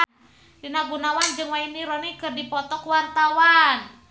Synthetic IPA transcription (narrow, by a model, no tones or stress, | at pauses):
d̥inaɡunawand͡ʒɨŋwainiɾɔnikərdipɔt̪ɔkwant̪awan